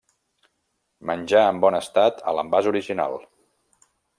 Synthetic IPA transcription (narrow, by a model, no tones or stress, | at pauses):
mənʲd͡ʒaəmbɔnəst̪at̪ʰə̰ləmbazuɾiʒina̰lˠ